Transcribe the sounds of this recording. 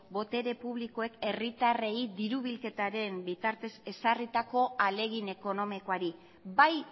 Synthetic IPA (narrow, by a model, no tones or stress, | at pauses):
bo̞t̪e̞ɾe̞puβliko̞e̞ke̞rit̪areid̪iɾuβ̞ilke̞t̪aɾe̞mbit̪aɾt̪e̞se̞sarit̪ako̞ale̞ɣ̞ine̞ko̞no̞miko̞aɾi | baj